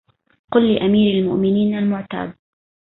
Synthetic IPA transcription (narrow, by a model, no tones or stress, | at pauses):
qʊlːɪʔamiːɾalmʊʔmɪniːnalmʊʕt̪a̰ːd̪̚